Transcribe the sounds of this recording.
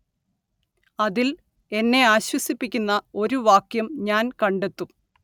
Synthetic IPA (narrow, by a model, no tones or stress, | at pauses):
ɐðil | e̞nːe̞aːɕwɐsipːikʲːunːɐo̞ɾuʋaːkjɐmɲaːnkɐɳɖe̞t̪ːu